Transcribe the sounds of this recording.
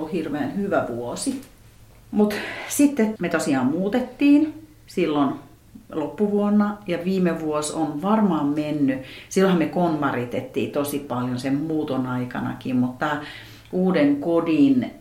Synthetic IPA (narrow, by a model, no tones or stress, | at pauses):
hirʋeːnhyʋæʋuosi | mut̪sit̪ːemet̪osiɑːmmuːt̪et̪ːiːn | silːon | lopːuʋuonːɑjɑʋiːmeʋuosonʋɑrmɑːmmenːysilːohɑmekonmɑrit̪et̪ːḭːt̪osipɑljonsemmuːt̪onɑikɑ̰nɑ̰kimmut̪t̪ɑ | uːdeŋkodin